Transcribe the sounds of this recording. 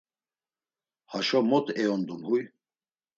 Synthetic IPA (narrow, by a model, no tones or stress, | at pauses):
haʃɔmɔt̪ʰɛɔnd̪umhuj